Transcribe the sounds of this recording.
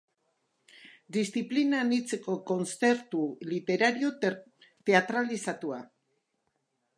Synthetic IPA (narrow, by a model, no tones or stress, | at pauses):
d̪ist̪iplinanit͡se̞ko̞ko̞nse̞ɾt̪ulit̪e̞ɾaɾio̞ | t̪e̞at̪ɾalisat̪ua